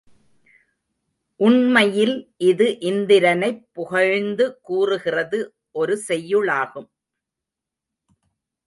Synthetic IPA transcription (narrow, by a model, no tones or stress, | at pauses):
ʔʊɳmɐjɪlʔɪðɯʔɪnd̪ɪɾɐnɐɪpːʊɣɐɻnd̪ɯkːuːrɯɣɪrɐðɯ | ʔɔɾɯsɛjːɯɭaːɣɯm